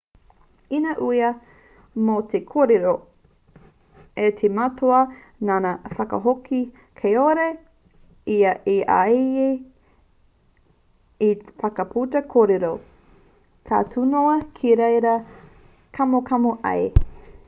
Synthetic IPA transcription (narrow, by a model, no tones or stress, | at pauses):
inɐʔuiɐ | mot̪ʰekʰoːɾeɾo | etʰematʰoɐ | nanafɐkɐ̰ɦoki | kʰejoɾe | iɐʔiʔa̰je | ifɐkɐpʰutɐkʰoɾeɾo | kʰa̰ːtʰunoɐkʰiɾejɾɐ | kʰɐmokʰɐmoʔɐ̰e